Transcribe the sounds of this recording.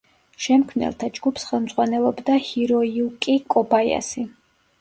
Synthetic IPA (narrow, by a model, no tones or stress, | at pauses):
ʃɛmkʰmnɛ̰lˠt̪ʰad͡ʒɡupʰsχɛlˠmd̪z̥ʁwanɛlˠɔbd̪ahiɾɔiukʼikʼɔbaja̰si